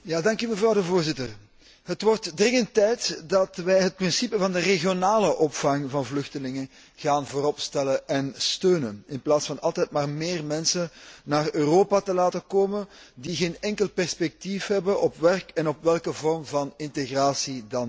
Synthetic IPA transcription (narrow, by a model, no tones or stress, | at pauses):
jaːdɑŋkyməvrɑwdəvoːrzɪtər | ɦətʋɔrtdrɪŋəntːɛjtdɑtʋɛjɦət̚prɪnsipəvɑndəreɣjonaːləʔɔpfɑŋvɑnvlɵxtəlɪŋə | ɣaːnvoːɾɔpstɛləʔɛnstøːnənɪnplaːtsfɑnɑlˠtɛtmaːrmeːrmɛnsənnaːrøːroːpatəlaːtəkoːməndiɣeːnɛŋkəlˠpɛrspɛk̚tifɦɛbənʔɔpʋɛrkɛnɔpʋɛlˠkəvɔrmvɑnɪnteɣraːsidɑn